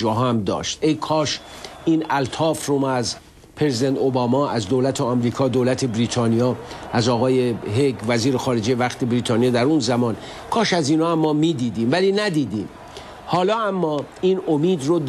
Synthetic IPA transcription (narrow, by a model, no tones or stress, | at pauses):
d͡ʒɒːɦæmd̪ɒ̰ːʃt̪ejkʰɒːʃiːnælt̪ʰɒːfromæz | pʰezid̪ent̪ʰobɒːmɒːæzd̪owlæt̪ʰeɒmɾiːkʰɒːd̪owlæt̪ʰe̞bɾiːt̪ʰɒːnijɒːæzɒːɣɒːjeɦeɡvæziːɾexɒːɾe̞d͡ʒejevæxt̪ʰe̞bɾiːt̪ʰɒːnijɑːd̪æɾunzæmɒːn | kʰɒːʃæziːnɒːæmːɒːmiːd̪iːd̪iːmvæliːnæd̪iːd̪iːm | hɒːlɒːæmːɒːiːnomiːd̪rod̪